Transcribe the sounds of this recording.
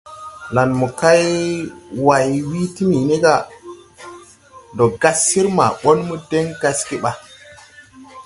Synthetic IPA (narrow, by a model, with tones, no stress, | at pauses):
la˨nmu˨ka˦j | wa˨jwi˦ti˦mi˨ne˦ɡa˦˨ | ndo˨ɡa˦sːi˦ɾma̰˨ɓo˦nmu˦de˦ŋɡa˦ski˦ɓa˨